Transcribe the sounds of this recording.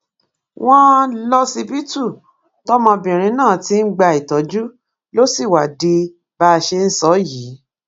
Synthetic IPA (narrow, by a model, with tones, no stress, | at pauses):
w̃ɔ̃˦lɔ˧si˧bi˦tu˦˨ | tɔ˦mɔ̃˧bĩ˨ɾ̃ĩ˧˦nãː˦˨ti˦n̩˦ɡ͡ba˧i˨tɔ˨˦d͡ʒu˦ | lo˦si˦˨wa˨di˧ | ba˧ʃe˧n̩˦sɔ˨˦jiː˨˦